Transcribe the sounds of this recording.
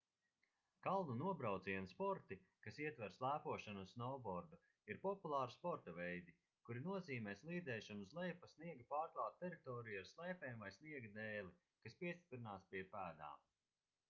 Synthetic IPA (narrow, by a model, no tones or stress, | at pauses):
kalˠnunuɔbɾawt̪ziɛnspɔɾt̪ikasiɛt̪vɛɾslˠæːpuɔʃanusnɔːbɔɾd̪u | iɾpɔpulˠaːɾspɔɾt̪ɐvɛjd̪i | kuɾinuɔziːmɛːslˠiːd̪zɛːʃunzlˠɛjpɐsniɛɡpaːɾklˠaːt̪̚ːɛɾit̪ɔːɾijaɾslˠɛjpɛːmvajsniɛɡd̪ɛːlˠi | kaspiɛst̪i̥pɾinaːspʲiɛpæːd̪a̰ːm